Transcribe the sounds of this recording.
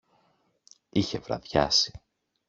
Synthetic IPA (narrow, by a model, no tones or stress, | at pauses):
içe̞vɾɐ̰ðʝɐ̰si̥